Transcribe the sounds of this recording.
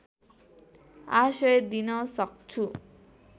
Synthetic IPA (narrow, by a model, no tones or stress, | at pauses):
asʌjd̪inʌsʌk̚t͡sʰu